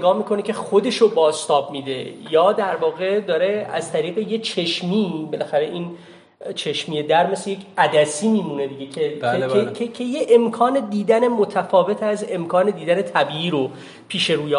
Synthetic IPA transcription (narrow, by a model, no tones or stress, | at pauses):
eɡɒːmiːkʰo̞necʰe̞xo̞d̪e̞ʃobɒːst̪ɒːbmiːd̪ḛjɒːd̪æɾvɒːɣe̞d̪ɒːɾe̞æzt̪ʰæɾiːɣejet͡ʃʰe̞ʃmiːbelæxæɾe̞ʔiːn | t͡ʃʰe̞ʃmije̞d̪æɾme̞slejecʰæd̪æsiːmiːmune̞d̪iɟekʰeeecʰecʰejeʔemkʰɒːne̞d̪iːd̪æne̞mot̪ʰæfɒːve̞t̪ʰæze̞mkʰɒːne̞d̪iːd̪æne̞t̪ʰæbiːiːɾo̞ | pʰiːʃe̞ɾuːje